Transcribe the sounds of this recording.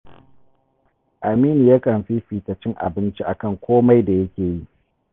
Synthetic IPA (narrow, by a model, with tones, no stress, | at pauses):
ʔa˨miː˦ni˨ja˦kɐ˨mɸiː˦ɸiː˨tɐ˨t͡ʃɪ˦ŋʔa̰˨bɪ˦nt͡ʃi˦ʔa˨kɐ˦˨ŋkʷoː˦ma˦jda˨jɐ˦kʲeː˨ji˦ʔ